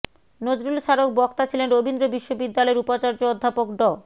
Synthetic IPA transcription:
nod͡ʑɾulʃaɾok̚bɔkt̪at͡ɕʰilenɾobind̪ɾobiʃːobid̪ːalɔeɾupat͡ɕaɾd͡ʑood̪ʱːapokɖɔ

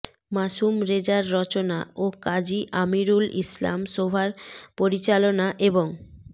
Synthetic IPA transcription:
maʃumɾed͡ʑaɾːɔt͡ɕonaokad͡ʑiʔamiɾulḭsla̰mʃobʱaɾpoɾit͡ɕalonaʔeboŋ

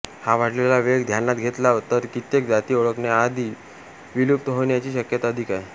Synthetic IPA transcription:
haʋ̤aʈlelaʋeɡd̪ʱjanːat̪ɡʱet̪laʋət̪əɾkit̪jek̚d͡zat̪iːoɭəkɳjaːd̪ʱiː | ʋiluːp̚t̪ɦoɳjat͡ɕiːɕəkjət̪aəd̪ʱikaj

